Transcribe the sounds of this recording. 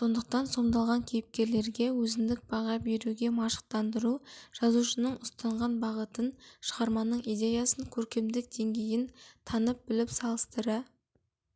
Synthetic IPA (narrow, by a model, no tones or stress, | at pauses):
so̞nd̪əq̚t̪ɑnso̞md̪ɑlˠʁɑŋkʲʰejɪp̚kʲe̞ɾle̞ɾɡʲe̞wɵzɪnd̪ɪk̚bɑʁɑbe̞ɾuɡʲe̞mɑʃə̥q̚t̪ɑnd̪əɾuʒ̥ɑzuʃənəɴʊst̪ɑɴʁɑnbɑʁət̪ənʃəʁɑɾmɑnəɴid̪ʲe̞jɑsəŋkʲʰɵɾkʲe̞md̪ɪk̚d̪e̞ŋɡʲe̞jɪnt̪ʰɑnəp̚bɪlɪpsɑlˠəst̪əɾə